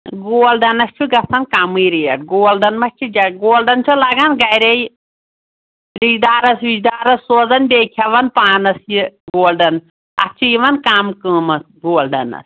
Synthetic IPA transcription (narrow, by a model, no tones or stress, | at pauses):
ɡoːlɖɐnɐst͡ʃʰuɡɐsɐnkamɨjɾiɐ̰ʈ̚ɡoːlɖɐnmɐt͡ʃʰud͡ʒɐɡoːlɖɐnt͡ʃʰulɐɡanɡɐjɾej | ɾid͡ʒd̪aːɾɐsʋid͡ʒd̪aːɾɐsːoːzɐnbeːkʲʰɐʋɐnpaːnɐsjiɡoːlɖɐn | ɐ̰t͡ʃʰujiʋɐnkamkəːmɐs | ɡoːlɖɐ̰nɐ̰s